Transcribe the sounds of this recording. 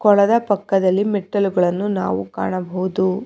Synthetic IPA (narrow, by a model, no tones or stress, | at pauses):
kɔɭɐd̪ɐpɐkːɐd̪ɐlːimɛʈːɐluɡɐɭɐnːuna̰ːʋuka̰ːɳɐbɐwud̪u